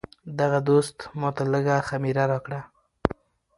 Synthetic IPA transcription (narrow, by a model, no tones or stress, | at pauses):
d̪aɣad̪ost̪mɑt̪aləɡaxamiɾaɾɑkɽa